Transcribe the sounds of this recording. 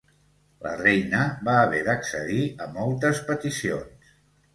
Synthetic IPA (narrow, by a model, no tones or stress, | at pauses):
lə̰rɛjnəβaːβɛðəksəðiəmɔlˠt̪əspət̪isio̰ns